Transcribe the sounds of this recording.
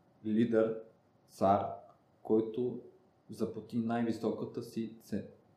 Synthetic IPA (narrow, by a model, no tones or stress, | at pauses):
lʲid̪ɛɾ | saɾ | kɔjt̪o | zɐpot̪inajvisɔkət̪əsit̪sɛ